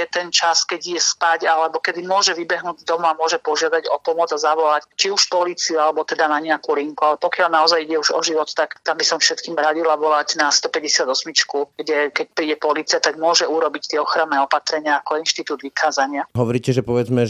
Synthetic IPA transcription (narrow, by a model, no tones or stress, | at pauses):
ɛt̪ɛnt͡ʃaskɛɟjɛspaɟalɛbɔkɛd̪imʊɔʒɛʋibɛɦnuːɟd̪ɔmuamʊɔʒɛpɔʒɪad̪aɟɔpɔmɔd͡zazaʋɔlact͡ʃiuʃpɔliːt͡siualɛbɔt̪ɛd̪anaɲɛakuliŋkualɛpɔkɪalnaɔzajiɟɛuʒɔ̰ʒiʋɔt̪t̪akt̪ambisɔɱfʃɛt̪kiːmɾaɟilaʋɔlaɟnast̪ɔpɛɟɛsɪad̪ɔsmit͡ʃkuɡ̥ɟɛkɛc̚pɾiːɟɛpɔliːt͡siat̪aɡmʊɔʒɛuɾɔbict̪ɪɛɔxɾannɛɔpat̪ɾɛɲɪaːkɔinʃt̪it̪uːd̪ʋikaːzaɲɪaɦɔʋɔɾiːcɛʒɛpɔʋɛd͡zmɛ